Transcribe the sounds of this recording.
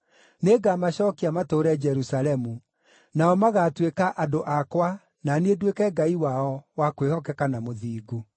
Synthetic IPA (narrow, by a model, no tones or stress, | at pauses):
neɡamaɕɔːkiamatoɾɛd͡ʒɛɾusalɛmu | naɔmaɣatwekaʔadoʔakwa | nanedwekɛɡaiwaɔwakwehɔkɛkanamoðiːɡu